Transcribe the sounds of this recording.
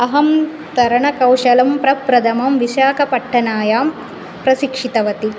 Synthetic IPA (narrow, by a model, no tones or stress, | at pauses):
ɐɦɐm | t̪ɐɾɐɳɐkɐwʃɐlɐmpɾɐpɾɐd̪ʱɐmɐmʋiʃaːkɐpɐʈʰːɐnaːjaːm | pɾɐsikʂit̪ɐʋɐt̪i